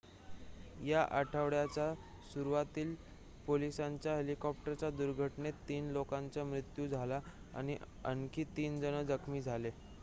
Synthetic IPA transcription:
jaʔaʈʰəʋɽjat͡ɕa | suɾuʋat̪iːl | polisaɲt͡ɕjaɦelikɔp̚ʈəɾt͡ɕjad̪uɾɡʱəʈɳet̪ːiːnlokãɲt͡ɕamɾit̪juːd͡zʱala | a̰ɽ̃iʔ | ə̰nkiːt̪iːnd͡zənəd͡zəkʰmiːd͡zʱale

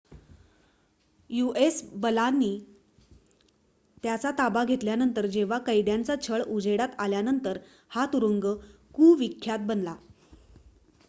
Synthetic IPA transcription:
juesbəlanːiː | t̪jat͡sat̪abaɡʱet̪ljanənt̪əɾd͡ʑeʋ̤akəjd̪jant͡sat͡ɕʰəɭud͡zeɽat̪aljanənt̪əɾ | hat̪uɾuŋɡəkuːʋikʰːjat̪̚bənla

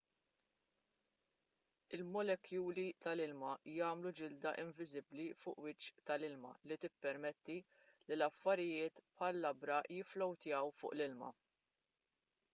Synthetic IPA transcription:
ɪlmɔlɛkːjuːlit̪ɐlɪlmɐjɐːmlud͡ʒɪld̪ɐʔɪɱvɪzɪblifʊːʔwɪt͡ʃːt̪ɐlɪlmɐ̰lit̪ɪpːɛɾmɛt̪ːi | lilɐfːɐɾɪjɪːt̪pħɐlːɐbɾɐjɪflɔwt̪jɐwfʊ̰ːʔlɪlmɐ̰

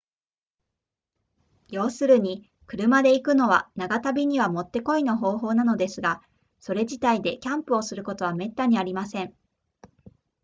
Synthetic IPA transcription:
jo̞ːsɨɾɯ̟ɲ̟i | kɯ̟ɾɯ̟mad̪e̞ikɯ̟no̞βanaɡat̪abʲiɲ̟iβamo̞t̪ːe̞ko̞ino̞ɦo̞ːɦo̞ːnano̞d̪e̞sɨɡa | so̞ɾe̞ʑit̪aid̪e̞kʲãmpɯ̟o̞sɨɾɯ̟ko̞t̪o̞β̞ame̞t̪ːaɲ̟iaɾʲimasẽ̞ɴ

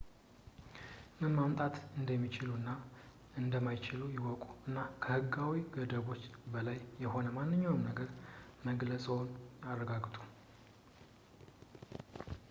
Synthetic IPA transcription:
mɨnmamt̪ʼat̪ɨnd̪əmːit͡ʃɪlunːa | ɨnd̪əmajt͡ʃɪlujɪwɔkʼu̥ɨnːakʰəhɨɡːawiɡəd̪əβo̞t͡ʃːbəlajːɛho̞nəmanːɨɲːawmnəɡəɾməɡləsʼəwnarːəɡaɡt̪ʼu

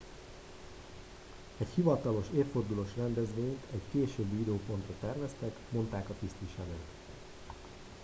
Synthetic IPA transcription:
ɛchivɒt̪ɒlo̞ʃeːfːo̞rd̪uloːʃrɛnd̪ɛzʋeːɲt̪ʰɛckeːʃøːbːiid̪øːpo̞nt̪rɒt̪ɛrvɛst̪ɛkmo̞n̪t̪aːkɒt̪ist̪iːʃɛløːt̪

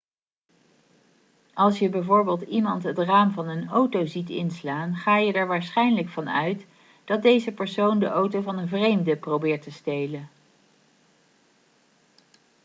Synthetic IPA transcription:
ʔɑlˠsjəbɛjvʊːɹbɪːlˠtimɑntɦətraːmvɑnənowtowzitɪ̰nslaːnχaːjədɛɹʋaːɹsχɛjnləkfɑnœ̰ɥt | d̥ɑt̚dejzəpəɹsowndəʔowtowvɑnənvrejmdəprowbɪːɹtəstejlən

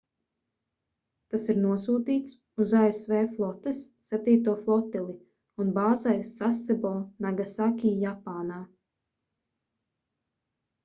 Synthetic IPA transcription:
t̪asiɾnuɔsuːt̪iːt̪s | uzaesveːflˠɔt̪ɛsːɛt̪iːt̪uɔflˠɔt̪ɛlˠi | unbaːzajsːasɛbɔːnaɡasakʲiːjapaːnaː

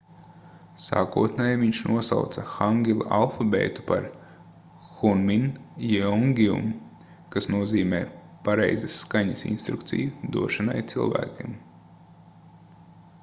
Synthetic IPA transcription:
sa̰ːkuɔt̪nɛjviɲʃnʔuɔsa̰wt̪sɐxaŋɡʲilˠa̰ʔalˠfɔbɛ̰ːt̪u̥pa̰ɾ | xunminjiɔŋɡʲiṵm | kasnuɔziːmɛ̰ː | paɾɛjzɐsːkaɲɐsḭnst̪ɾukt̪sḭjud̪ṵɔʃana̰jt̪silˠvæ̰ːkʲḭm

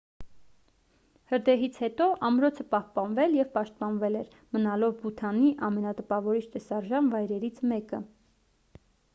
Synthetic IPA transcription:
həɾd̪ɛɦit͡sʰhɛt̪ɔʔɑmɾɔt͡sʰəpɑhpɑnvɛljɛvpɑʃt̪̚pɑnvɛlɛɾ | mənɑlɔvbut̪ʰɑniʔɑmɛnɑt̪əpɑvɔɾit͡ʃʰt̪ɛsɑɾʒɑnvɑjɾɛɾit͡sʰmɛkə

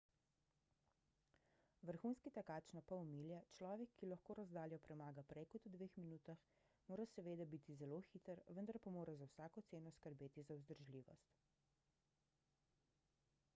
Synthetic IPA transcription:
ʋəɾxunskit̪ɛkaːt͡ʃnapaɔmiːljɛt͡ʃlɔːʋɛkʰːilaxkoːɾazd̪aːljɔpɾɛmaːɡapɾɛjkɔt̪ud̪ʋeːxminuːt̪ax | moːɾasɛʋeːd̪abit̪izɛloxit̪əɾʋənd̪aɾpamoːɾazawsaːkɔt̪seːnɔskəɾbeːt̪izawzd̪əɾʒliːʋɔ̰st̪

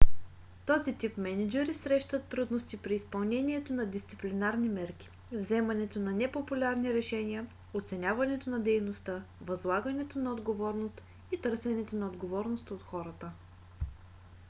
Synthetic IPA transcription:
t̪ɔzit̪ipmɛnɛd͡ʒɛɾisɾɛʃt̪ət̪ːɾud̪nost̪ipɾiːspɐlˠnɛniɛt̪onɐd̪ist̪siplinaɾnimɛɾk̟i̥ | vzɛmɐnɛt̪onɐnɛpopulʲaɾniɾɛʃɛnʲiə | ot̪sɛnʲavɐnɛt̪onɐd̪ɛjnost̪əvɐzlˠaɡɐnɛt̪onɐod̪ɡovɔɾnost̪ | it̪ɤɾsɛnɛt̪onɐod̪ɡovɔɾnost̪ot̪xɔɾət̪ə

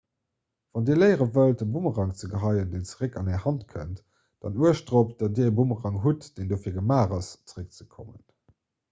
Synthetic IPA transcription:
v̥ɑndiːɐləɪʁəvəltəbuməʁɑŋt͡səɡəɦɑɪəndent͡səʁəkɑnæːɐhɑntkʰə̰nt | d̥ɑ̰nuəʃd̥ʁop̚d̥ɑt̚diːəbuməʁɑŋɦutd̥eːndoːfiːɐɡəmaːʁɑst͡səʁək̚t͡səkʰomə̰n

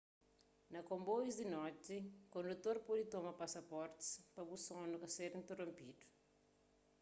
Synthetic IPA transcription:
nɐkõmbojzd̪inɔt̪ikõnd̪ut̪oɾpɔd̪it̪omɐpasɐpɔɾt̪i̥spɐbusõnukɐseɾĩnt̪erõmpid̪u̥

